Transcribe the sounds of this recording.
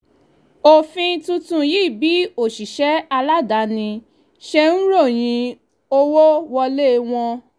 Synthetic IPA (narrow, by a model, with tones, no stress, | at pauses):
o˨fĩ˧tũ˧tũ˧ji˦˨bi˨˦o˦˨ʃi˨ʃɛ˨˦a˧la˦da˨˦nĩ˧ | ʃɛ˧n̩˦ɾo˦˨j̃ĩ˧ | o˦wo˦wɔ˧le˦˨˧w̃ɔ̃˧